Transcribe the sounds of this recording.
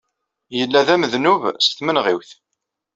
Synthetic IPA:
jəlːæðæməðnuvsθmənʁiwθ

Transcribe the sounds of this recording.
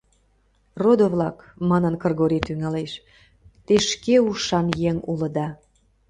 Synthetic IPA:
rod̪oβlɑkmɑnənkərɣoɾit̪yŋɑleʃ | t̪eʃkeuʃɑnjeŋulə̆d̪ɑ

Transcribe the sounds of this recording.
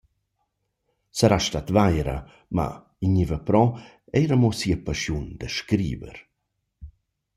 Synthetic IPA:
səɾaʃtat̪vajɾə̰ | ma̰ | iɲivəpɾɔ | ɛjɾəmosiəpaʃjund̪əʃkɾḭːvə̰ɾ

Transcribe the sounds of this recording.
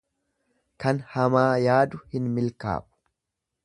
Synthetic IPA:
kɐnhɐmaːjaːd̪ʊhɪnmɪlka̰ːʔʊ̥

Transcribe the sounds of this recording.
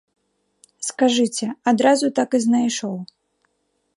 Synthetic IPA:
skaʐɨt͡sʲɛad̪ɾazut̪akɨznajʂɔw

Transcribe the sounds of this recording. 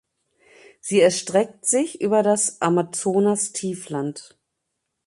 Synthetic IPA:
z̥iːɛɐʃtʁ̥ɛk̚tz̥ɪçʔyːbɐdasʔamat͡soːnastʰiːflant

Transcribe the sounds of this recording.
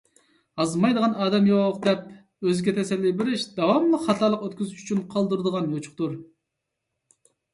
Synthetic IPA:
ɑzmɑjd̪əʁɑnɑːd̪ɛmjoqd̪ɛp̚ | øzɪɡʲɛt̪ʰɛsɛlːijbɪɾɪʃd̪̥ɑwɑmlˠɨχɑt̪ʰɑlˠəqøt̪kʲyzyʃy̥t͡ʃʰynqʰɑlˠd̪uɾɨd̪əʁɑnøt͡ʃʰʊ̥q̚t̪uɾ

